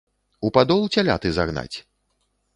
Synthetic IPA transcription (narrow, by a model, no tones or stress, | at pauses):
upad̪ɔlˠt͡sʲalʲa̰t̪ɨzaɣna̰t͡sʲ